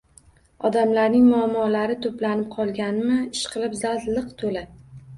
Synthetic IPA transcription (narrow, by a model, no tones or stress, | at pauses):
ɒd̪amlaɾnɪŋmʊamːɒlaɾɪt̪ʰoplanɪp̚qʰɒlˠɡʲanɪmɪɪʃqʰɨlˠɪpzalt̪lɨqt̪ʰola